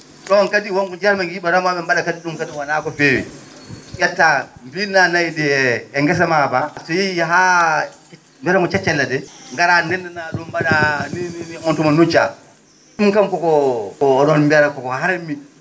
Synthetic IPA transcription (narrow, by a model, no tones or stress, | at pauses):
ɗɔnkadiwɔnkɔd͡ʒaɾmaɡjibaɾɔmabɛmbaɗakadiɗumkatiwanaːkɔfeːwḭ | jatːambinanajdiɛɛŋɡɛs̬amabasɔjiɦa | mbɛɾaŋɔt͡ʃat͡ʃːɛlːadɛŋɡaɾanɛnːɛnaɗumbadaninɔntumanut͡ʃa | ɗumkamkɔkɔɔɗɔnmbɛɾakɔkɔɦaɾamːi